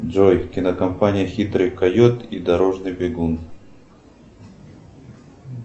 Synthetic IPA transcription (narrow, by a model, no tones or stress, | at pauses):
d͡ʐɔjkʲinɐkɐmpanʲijɐxʲit̪ɾɨjkajɔt̪id̪aɾɔʐnɨbʲɪɡun